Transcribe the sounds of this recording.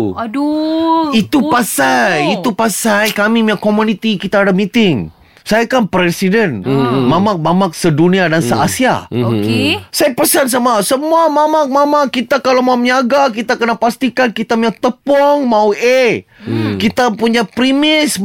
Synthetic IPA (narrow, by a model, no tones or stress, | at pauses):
it̪upasajit̪upasajkamimiakːomunit̪ikit̪aːdamit̪ɪŋ | sajakanpɾɛsidənmamak̚mamak̚sədunĩadansəasia̰okesajapəsans̬amasəmuamamak̚mamakit̪akalamamɲaɡak̬it̪akənapast̪ikankit̪amiak̚t̪əpɔŋmawe | kit̪apuɲapɾimɪs